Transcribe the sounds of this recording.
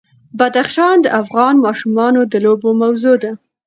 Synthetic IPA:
bad̪axʃɑnd̪əʔafɣɑnmɑʃumɑnod̪əlobomawzod̪a

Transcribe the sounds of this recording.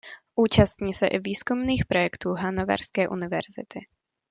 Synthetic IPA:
ʔuːt͡ʃast̪ɲiːsɛ̰ʔɪviːskumniːxpɾo̞jɛkt̪uːɦanova̰ɾskɛːʔunɪvɛ̰ɾzɪ̰t̪ʰɪ

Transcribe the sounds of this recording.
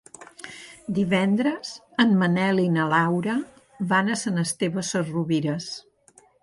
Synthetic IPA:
d̪iβɛnd̪ɾəz | əmmənɛlinəlawɾə | βanəsənəst̪eβəsəruβiɾəs

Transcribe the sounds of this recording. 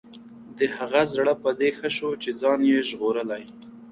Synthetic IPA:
d̪əhaɣazɽəpəd̪exəʃot͡ʃed͡zɑnjeʒɣoɾəlaj

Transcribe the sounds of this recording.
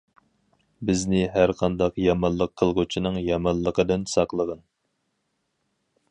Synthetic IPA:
bɪznɪɦæɾqʰɑnd̪ɑqjɑmɑnlˠəqʰːəlˠʁʊt͡ʃʰinɨŋjɑmɑnlˠəqʰəd̪ɨnsɑqlˠəʁən

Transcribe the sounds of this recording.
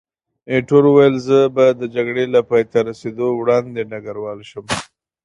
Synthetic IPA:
eʈoɾuwajəlzəbad̪əd͡ʒaɡɽelapɑjt̪aɾased̪owɽɑnd̪enaɡaɾwɑlʃəm

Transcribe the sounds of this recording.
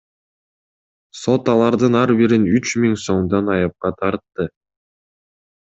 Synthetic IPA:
so̞t̪ɑlˠɑɾd̪ɯnɑɾbiɾinyt͡ʃmiŋso̞ɴd̪ɑnɑjɑp̚qɑt̪ʰɑɾt̪ːɯ

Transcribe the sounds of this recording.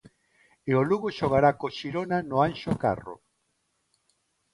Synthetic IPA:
eoluɣoʃoɣ̞aɾakoʃiɾonanoanʃoka̰ro̰

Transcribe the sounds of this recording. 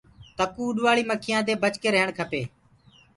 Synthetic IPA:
t̪əkuːɗʋaːɭiːməkʰɪjãːd̪eːbət͡ʃkeːɾəɦəɳkʰəpeː

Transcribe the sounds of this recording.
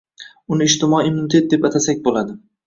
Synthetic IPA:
ʊnɪːʃt̪ɪmɒimːʊnɪt̪ʰe̞t̪̚d̪e̞pat̪ʰasak̚ʲbolad̪ɪ

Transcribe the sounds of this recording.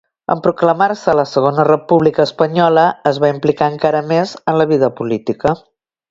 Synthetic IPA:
ə̰mpɾukləmarsələsəɣ̞onərəpuβlikəːspəɲɔləəzβaimplikaəŋkaɾəmezənləβ̞iðəpulit̪ikə

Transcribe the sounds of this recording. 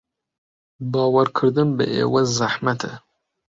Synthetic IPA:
bɑːwɐɾkʰɨɾd̪ɨmbɨ̰ʔḛːwɐzaħmɐt̪ʰɐ

